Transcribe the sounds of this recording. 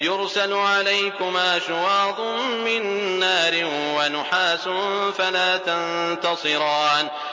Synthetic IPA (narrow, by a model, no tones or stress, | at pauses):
jʊɾsalʊʕalajkʊmaːʃʊwɑːd̪ˤʊmmɪnːaːɾɪnwanʊħaːsʊnfalaːt̪ant̪ɑsˤɨɾɑːn